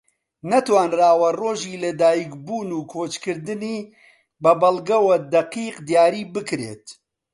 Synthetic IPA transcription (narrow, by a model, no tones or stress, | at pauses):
nɐt̪waːnraːwɐroːʒiːlɐd̪aːjikbuːnuːkʰoːt͡ʃkɨɾd̪ɨniː | bɐbɐlɡɐwɐd̪ɐqiːqd̪ijaːɾiːbɨkɾḛːt̪